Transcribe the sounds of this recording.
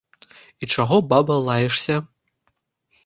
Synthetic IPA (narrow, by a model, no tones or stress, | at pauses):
it͡ʂaɣɔbabɐlˠajɛʂsʲɐ